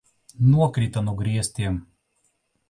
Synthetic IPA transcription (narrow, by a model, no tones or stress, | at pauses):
nuɔkɾʲit̪ɐnʊɡɾʲiɛsʲt̪ʲiːɛm